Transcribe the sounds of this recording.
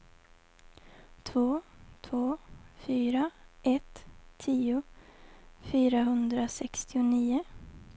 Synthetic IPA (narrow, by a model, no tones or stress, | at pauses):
t̪ʰvoːt̪ʰvoːfyːɾaʔɛt̪ʰːiːʊ | fyːɾaɦɵnd̪ɾasɛkst̪ɪʊniːʊ